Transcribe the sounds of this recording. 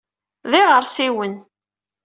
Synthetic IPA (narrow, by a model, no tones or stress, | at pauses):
ðiʁəɾsiwən